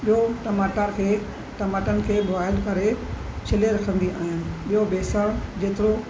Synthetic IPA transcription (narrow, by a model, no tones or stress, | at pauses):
ɓijoʈɐmaːʈəɾkʰeː | ʈɐmaːʈənɪ̆kʰeːbʊʋaːɪlkɐɾet͡ɕʰɪleɾɐkʰə̃nd̪iʔaːɦɪnɪ̆ɓijobeːsəɽ̃d͡ʑeːt̪ɪɾo